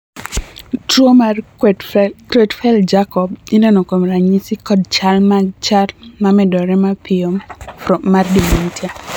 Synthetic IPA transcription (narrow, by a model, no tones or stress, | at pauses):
tɾoma | kɾetfɛld͡ʒakɔbinɛnɔkomɾaɲisikɔd̚t͡ʃalmat͡ʃalmamɛdɔɾɛmapɪɔ | mardimintja